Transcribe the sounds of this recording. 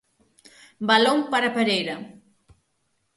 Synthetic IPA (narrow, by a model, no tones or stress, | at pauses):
baloŋpaɾapeɾejɾɐ